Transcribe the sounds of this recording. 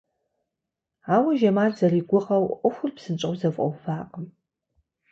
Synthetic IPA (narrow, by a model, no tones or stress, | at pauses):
aːwɐʒɐmaːrzɐriːɡʷʊʁɐwʔʷʼɔxʷʊrpsɨnt͡ʃʼɐwzɐfʼʔʼɔ̰wfaːqʼəm